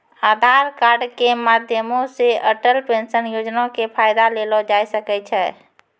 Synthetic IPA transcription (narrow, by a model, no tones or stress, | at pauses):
aːd̪ʱaɾkaːɾɖkemaːd̪ʱjəmõseəʈəlʈensənjod͡ʒnakepʰajd̪alelɔd͡ʒaːjsəkɛt͡ʃʰɛː